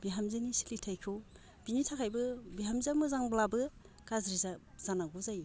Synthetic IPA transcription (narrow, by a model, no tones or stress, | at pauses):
biɦamzɯnisi̥litʰajkʰo | binitʰakʰajbɯbiɦamzamɯzaŋblabɯ | kazɾiza | z̥anaɡuzaj